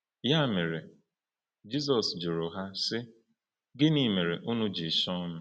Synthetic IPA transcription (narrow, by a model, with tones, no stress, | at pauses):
ja˦˨me˨ɾe˨ | d͡ʒi˦s̬ɔ˨sd͡ʒʊ˨ɾʊ˨ɦa˦sɪ˦ | ɡɪ˦ni˦˨me˨ɾe˨ʔʊ˦nʊ˦d͡ʒi˨sɔ˦nʊ˦˨